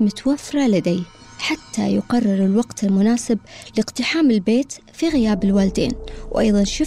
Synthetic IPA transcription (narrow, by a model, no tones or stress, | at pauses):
mʊt̪wafɾˤɑlad̪aj | ħat̪ːa̰jʊqɑrˤːɪɾɪlwaɡt̪ɪlmʊnaːsɪb̚lɪqt̪ɪħaːmɪlbeːt̪fiɣɪjaːbɪlwaːld̪ḛːnwʔajðˤɑnʃɪ